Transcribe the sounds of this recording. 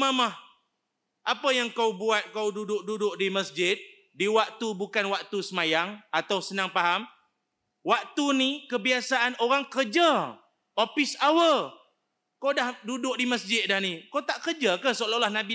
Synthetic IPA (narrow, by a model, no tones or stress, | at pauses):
mamah | ʔapəjaŋkawbuat̪̚kawdudʊʔ̚dudʊʔdiməsd͡ʒɪt̪̚ | diwak̚t̪ubukanwak̚t̪usəmajaŋat̪awsənaŋpaɦam | wak̚t̪unikəbiasaʔanoɾaŋkərd͡ʒa | opɪsawəl | kawdahdudʊʔ̚diməsd͡ʒɪt̪̚dahnikawt̪aʔkərd͡ʒakəsololahnãbi